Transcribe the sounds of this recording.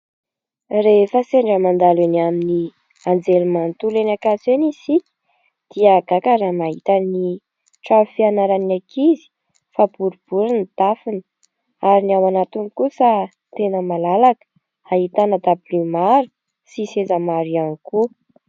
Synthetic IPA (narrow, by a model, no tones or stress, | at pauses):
refəseɳɖ͡ʐəmand̪alenamini | and͡zelumant̪ulenakasenisikʲi̥ | d̪̥iəɡakaɾamaɦit̪ani | ʈ͡ʂafianaɾanakʰizi̥ | fab̥uɾub̥uɾinid̪̥afinə | aɾinawanat̪unikusə | t̪enəmalalakə̥ | aɦit̪anəd̪ablimaɾu̥ | sisezamaɾianiku